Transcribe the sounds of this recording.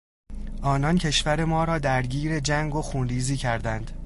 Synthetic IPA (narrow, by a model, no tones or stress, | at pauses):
ʔɒːnɒncʰe̞ʃvæɾe̞mɒːɾɒːd̪æɾɟiːɾe̞d͡ʒæŋɡoxuːnɾiːziːcʰæɾd̪ænd̪̥